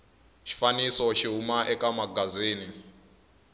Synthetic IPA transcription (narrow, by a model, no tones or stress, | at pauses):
ʃi̥fanisɔʃiɦumaʔɛkamaɡaziːni